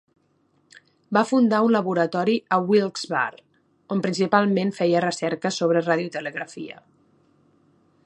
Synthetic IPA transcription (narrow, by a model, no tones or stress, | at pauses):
bafund̪aunləβuɾət̪ɔɾiəwilˠz̥βa̰ɾ | ompɾinsipalˠmenfɛjərəsɛɾkəsoβ̞ɾəraðjut̪ələɣɾəfḭə̰